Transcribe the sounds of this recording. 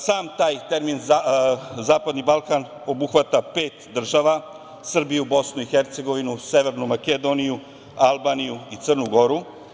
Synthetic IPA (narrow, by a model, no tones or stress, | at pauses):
saːmt̪aːjt̪e̞ɾminzazaːpad̪nibalˠkan | o̞buxʋat̪apeːt̪d̪r̩ʒaʋa | sr̩bijubo̞snuixeɾt̪se̞ɡo̞ʋinuseʋeɾnumaked̪o̞niju | alˠbaːnijuit̪sərnuɡo̞ɾu